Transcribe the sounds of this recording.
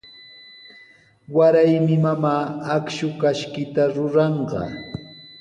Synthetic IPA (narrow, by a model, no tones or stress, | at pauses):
waɾajmɪmamaːakʃʊkaʃkɪt̪aɾʊɾɑɴɢɑ̰